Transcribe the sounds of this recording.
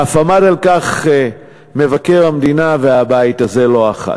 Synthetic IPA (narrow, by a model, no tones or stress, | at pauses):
afamadalkaχ | me̞vake̞ʁhamd̪inave̞abaitaze̞lo̞aχa̰